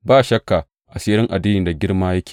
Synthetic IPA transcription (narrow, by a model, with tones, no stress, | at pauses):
baː˦ʃɐ˦kːa˨ | ʔa˨seː˦ɾɪ˦ŋʔa˨diː˦nɪ˨nda˨ɡʲɪ˦ɽmaː˦jɐ˦kʲʰe̥ː˨